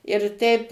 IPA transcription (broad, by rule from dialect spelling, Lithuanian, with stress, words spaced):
ɪr ˈtʲɛɪp